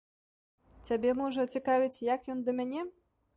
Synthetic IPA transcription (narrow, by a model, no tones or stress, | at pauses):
t͡sʲabʲɛmɔʐɐt͡sʲikavʲit͡sʲjakjɔnd̪ɐmʲanʲɛ